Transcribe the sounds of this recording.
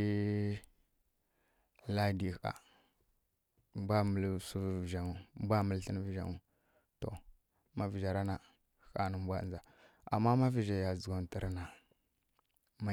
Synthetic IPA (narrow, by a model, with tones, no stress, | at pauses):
la˦di˨a̰˨ | m˦bʷa˦mə˨lsu˦˨vʒa˨ŋu˨˦bʷa˦mə˨lɬə˦n˦vi˨ʒa̰˨ŋu˨ | to̰˨ | ma˦vi˨d͡ʒa˨ɾa˦na˨ | ka̰˨nə˦bʷa˦˨nza˨ | a̰˨mːa˦ma˦vi˦˨ʒa˨ja˨zu˨ɡo˨n˨ti˨ɾa˦na˨ | ma˦